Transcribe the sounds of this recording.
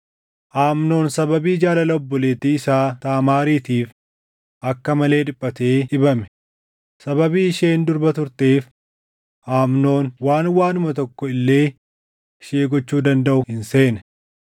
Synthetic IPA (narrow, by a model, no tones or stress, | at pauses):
ʔaːmno̞ːnsɐbɐbiːd͡ʒaːlɐlɐɔbːɔleːt̪iːɪsaːt̪aːmaːɾiːt̪iːf | ʔɐkːɐmɐle̞ːd̪ɪpʼːɐt̪e̞ːʔɪbɐmɛ̥ | sɐbɐbiːɪʃeːnd̪ʊɾbɐt̪ʊɾt̪eːf | ʔaːmno̞ːnwaːnwaːnʊmɐt̪ɔkːɔɪlːe̞ː | ʃeːɡɔt͡ʃːuːd̪ɐnd̪ɐʔʊhɪnse̞ːnɛ